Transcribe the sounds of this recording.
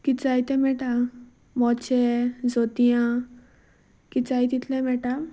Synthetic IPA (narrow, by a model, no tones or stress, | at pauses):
kit͡sajt̪ẽmɛʈa | mɔt͡ɕed͡zot̪ijã | kit͡sajt̪it̪lɛmɛʈa